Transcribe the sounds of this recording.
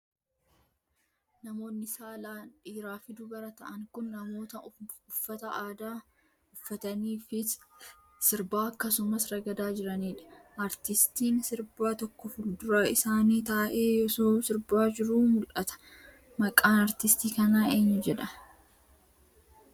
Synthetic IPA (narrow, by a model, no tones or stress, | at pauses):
nɐmo̞ːnːɪsaːlaːnᶑiːɾaːfɪd̪ʊɡɐɾɐt̪ɐʔɐŋkʊnːɐmo̞ːt̪ɐʊfːɐt̪ɐaːd̪aː | ʊfːɐt̪ɐniːfɪ | sɪɾbaːɐkːɐsʊmɐsɾɐɡɐd̪aːd͡ʒɪɾɐniːᶑɐ̥ʔaɾt̪ɪst̪iːnsɪɾbaːt̪ɔkːɔfʊld̪ʊɾɐɪsaːniːt̪aːʔeːjɔsoːsɪɾbaːd͡ʒɪɾuːmʊlʔɐt̪ɐ̥ | mɐkʼaːnɐɾt̪ɪst̪iːkɐnaːeːɲːɐd͡ʒɛᶑɐ